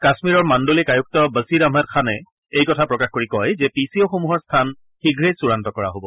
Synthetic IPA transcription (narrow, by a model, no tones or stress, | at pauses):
kasmiɹɔɹmandolɛkajuk̚tɔbəsiɹamɦat̚kʰanɛ | ejkɔtʰapɹɔkaxkoɹikɔjzɛpisioxomuɦɔɹstʰan | xiɡʱɹejsuɹantɔkɔɹa̰ɦobɔ